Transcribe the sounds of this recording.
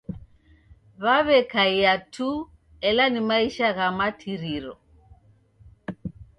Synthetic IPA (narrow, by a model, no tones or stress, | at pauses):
βaβɛkaiatʰu | ɛlanimaiʃaɣamatʰiɾiɾɔ̰